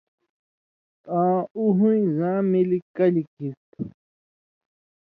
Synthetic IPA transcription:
ãːuɦuĩzãːmilikɐlikʰist̪

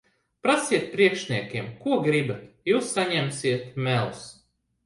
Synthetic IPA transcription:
pɾasiɛt̪̚pɾiɛkʃnʲiɛkʲiɛmkuɔɡɾibat̪juːsːaɲɛmsʲiɛt̪mɛlˠus

